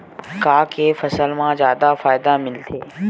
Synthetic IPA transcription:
kaːkefɐsəlmãːzjaːd̪afaːɪd̪amɪlt̪ʰeː

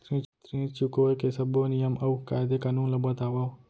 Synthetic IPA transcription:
t̪ɾĩt͡ʃt̪ɾĩːt͡ʃukojkesəbonijəməʋka̰jd̪ekanũləbət̪aʋaʋ

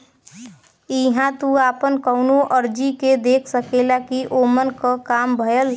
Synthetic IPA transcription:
iɦãt̪uaːpənkəʊnoʔəɾd͡ʒiked̪eːkʰsəkelakiʔomənkəkaːmbʱəəl

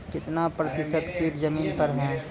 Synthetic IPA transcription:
kɪt̪napɾɐt̪ɪʃəd̪kiːʈzɐmiːnpɐɾɦɛ̃ː

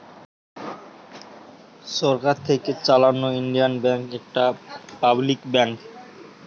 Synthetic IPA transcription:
ʃɔɾkaɾt̪ʰeket͡ɕalanːoiɳɖijanbɛŋkɛk̚ʈapablikbɛŋk

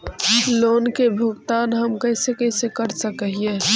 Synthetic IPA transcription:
loːnkebʱʊɡt̪aːnɦɐmkəɪsekəsekəɾsəkɦie

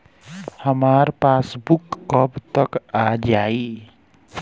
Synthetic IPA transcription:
həmaɾpasbukːʌbt̪ʌkad͡ʒai

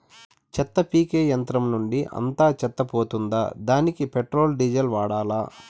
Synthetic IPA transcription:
t͡ʃɛt̪ːɐpiːkeːjɐnt̪ɾɐmnuɳɖiʔɐ̰nt̪aːt͡ʃɛt̪ːɐpoːt̪und̪a̰ːd̪aːnikipeʈɾo̞ːlɖid͡ʒɐlʋaːɽaːlaː

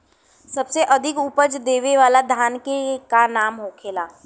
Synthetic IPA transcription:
sɐbseʔɐd̪ʱɪkuːpət͡ʃd̪eːʋeʋaːlad̪ʱjaːnkekanaːmɦoːkʰeːlaː

